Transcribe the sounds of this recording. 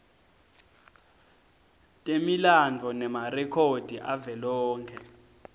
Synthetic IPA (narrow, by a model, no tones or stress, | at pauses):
tʼemiland͡ɮʱɔnɛmarɛkʰod̥ʱiʔavɛlɔːŋkʰɛ